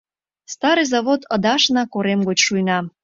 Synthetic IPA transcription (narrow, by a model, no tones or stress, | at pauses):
st̪ɑɾɨjzɑβot̪ʰəd̪ɑʃnɑkoɾemɡot͡ɕʃujnɑ